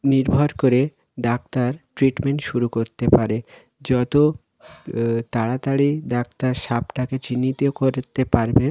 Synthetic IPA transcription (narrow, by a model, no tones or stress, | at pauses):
niɾbʱoɾkoɾe | d̪ak̚t̪aɾʈɾiʈmeɳʈʃuɾukoɾt̪epaɾe | d͡ʑɔt̪o | t̪aɽat̪aɽid̪ak̚t̪aɾʃapʈaket͡ɕinːit̪okoɾt̪epaɾbe